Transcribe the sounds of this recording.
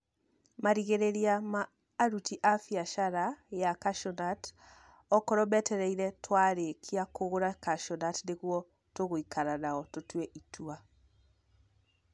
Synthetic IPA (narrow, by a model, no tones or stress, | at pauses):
maɾiɣeɾeɾiamaː | ɾutiʔafiaʃaɾajakaʃɔnat | ɔkɔɾɔbɛtɛɾɛiɾɛtʰwaɾekʰiakoɣoɾakaʃɔnatneɣwɔ | toɣoikʰaɾanaɔtotwɛʔitʰua